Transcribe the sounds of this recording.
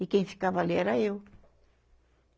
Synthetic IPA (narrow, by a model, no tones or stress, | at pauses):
ikẽj̃fi̥kavaleɾaew